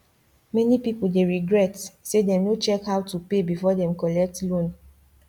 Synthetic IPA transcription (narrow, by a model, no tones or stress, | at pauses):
mɛnipipuldeɹiɡɹɛtsedɛ̃mnot͡ʃɛkhawtupebifɔdɛ̃mkɔlɛk̚tlõn